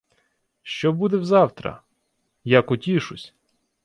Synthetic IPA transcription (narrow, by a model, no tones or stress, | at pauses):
ʃt͡ʃɔbud̪ɛwzɑwt̪ɾɐ̰ | jakʊtʲiʃʊsʲ